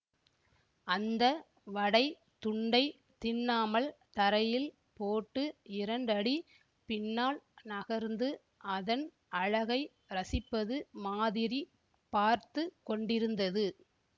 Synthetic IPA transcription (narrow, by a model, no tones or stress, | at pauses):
ɐnd̪ɐ | ʋɐɽɐɪ | t̪ʊɳɖɐɪ | t̪ɪnːaːmɐlt̪ɐɾɐjɪl | poːʈːɯɪɾɐɳɖɐɽi | pɪnːaːlnɐɣɐɾnd̪ɯ | ɐðɐn | ɐɻɐɣɐɪ | ɾɐsɪpːɐðɯmaːðɪɾi | paːɾt̪ɯkːɔɳɖɪɾɯnd̪ɐðɯ